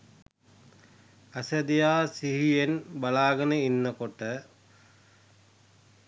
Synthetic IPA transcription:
əsəd̪ijaːsiɦijenbalaːɡənəinːəkoʈə

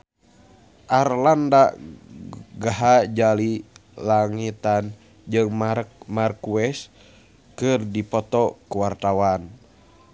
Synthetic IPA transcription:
ʔarlanda | ɡaɦad͡ʒalilaŋit̪an | d͡ʒɨŋmarkuɛs | kɨrdipɔt̪ɔkuwart̪awan

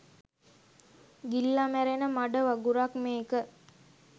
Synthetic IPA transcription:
ɡilːamæɾenəmaɖəʋaɡuɾakmeːkə

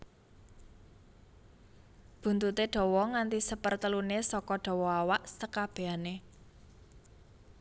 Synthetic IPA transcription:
b̥ṳnt̪ut̪eɖ̥ɔ̤wɔŋant̪isəpərt̪əlunesɔkɔɖ̥ɔ̤wɔawaʔsəkab̥eane

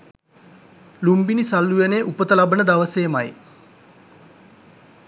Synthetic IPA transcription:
lumbinisalːujeneʔupət̪əlabənəd̪aʋəseːmaj

